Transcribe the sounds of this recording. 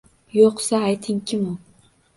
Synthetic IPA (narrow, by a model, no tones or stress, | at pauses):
joqsaːjt̪ʰɪŋkʲʰɪmʊ